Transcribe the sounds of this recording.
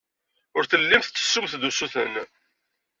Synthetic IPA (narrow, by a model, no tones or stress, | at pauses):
ʊɾθəlːimθːə̥sːʊmθd̪usuθən